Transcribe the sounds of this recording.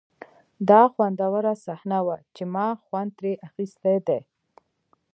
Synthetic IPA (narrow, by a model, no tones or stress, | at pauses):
d̪ɑxwand̪awaɾasahnawat͡ʃemɑxwand̪̚t̪ɾeʔaxist̪ed̪e